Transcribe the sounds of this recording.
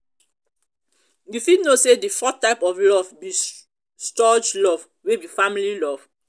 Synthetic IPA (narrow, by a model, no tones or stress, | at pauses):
jufidnosedifɔtːaɪpɔvlɔvbi | stɔd͡ʒlɔv | webifãmililɔv